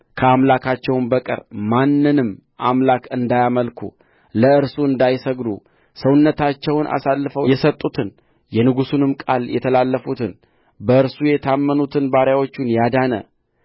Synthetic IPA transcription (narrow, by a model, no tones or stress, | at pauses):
kʰəamlakʰat͡ʃːɛwnbəkʼɨ̰ɾmanːɨnɨm | ʔamlakʰɨnd̪ajaməlkʰṵ | ləɨɾsuɨnd̪ajsəɡd̪u | səwʊnːət̪ʰat͡ʃːɛwnʔa̰salːɨfəwjɛsət̪ʼːut̪ʰɨn | jɛnɨɡusunɨmkʼaljɛ̰t̪ʰəlalːəfut̪ʰɨn | bəɨɾsujɛt̪ʰamːənut̪ʰɨnbaɾjawo̞t͡ʃːunjad̪anə̰